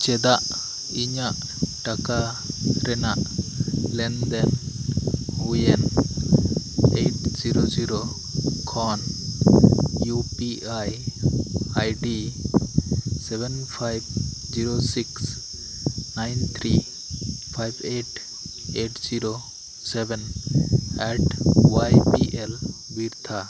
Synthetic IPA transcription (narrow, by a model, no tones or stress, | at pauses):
t͡ʃɛd̪aʔ | iɲaʔ | ʈaka | ɾɛnaʔ | lɛnd̪ɛn | hujɛn | eʈziɾod͡ʒiɾo | kʰɔn | jupiaj | ajɖi | sebenpʰajbd͡ʒiɾosiks | najnt̪ʰɾi | pʰajbeʈ | eʈziɾo | seben | ɛʈwajpiʔel | biɾt̪ʰa